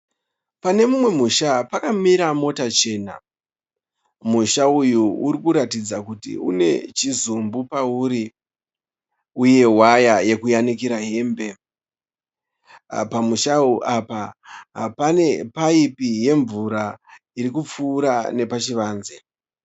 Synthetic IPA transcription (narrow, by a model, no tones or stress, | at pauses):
pane̞mumwe̞muʃapakamiɾamo̞tat͡ʃe̞ːna̰ | muʃaujuuɾikuɾatid͡zakutḭṵne̞̰t͡ʃizumbupauːɾi | uje̞wajaje̞kujanikiɾaɦe̞ːmbe̞ | pamuʃauʔapaɦa̰pane̞paipije̞ɱvuɾa | iɾikup͡fuːɾane̞pat͡ʃiʋaːnze